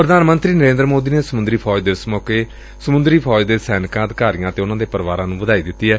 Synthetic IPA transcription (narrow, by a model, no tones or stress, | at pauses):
pɾəd̪aːnmə̃nt̪ɾiːnəɾẽːnd̪ɾmoːd̪iːneːsəmʊ̃nd̪ɾiːpʰɔːd͡ʒd̪eːsəmɔːkeː | səmʊ̃nd̪ɾiːpʰɔːd͡ʒd̪eːsɛːnkãːəd̪kaːɾijãːət̪eːʊnãːd̪eːpəɾʋaːɾãːnũːʋəd̪aːiːd̪ɪt̪ːiːɦɛː